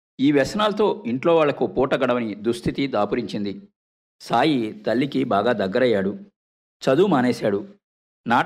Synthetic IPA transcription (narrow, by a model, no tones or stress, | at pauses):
iːʋɛsɐnaːlɐt̪o̞ːiɳʈlo̞ːʋaːɭːɐkupɔːʈɐɡɐɽɐʋɐnid̪ust̪ʰit̪id̪aːpuɾiɲt͡ʃind̪i | saːjit̪ɐɭːikibaːɡaːd̪ɐɡːɐɾɐjːaːɽu | t͡ʃɐd̪uːmaːneːsaːɽu | naː